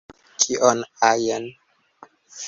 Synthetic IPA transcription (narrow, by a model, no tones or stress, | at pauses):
kʰiʔɔnajɛn